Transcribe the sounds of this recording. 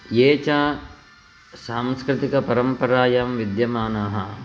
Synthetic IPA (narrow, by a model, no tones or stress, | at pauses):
jeːt͡ʃaː | saːmskɾɪt̪ikɐpɐɾɐmpɐɾaːjaːmʋid̪jɐmaːnaːɦɐ̰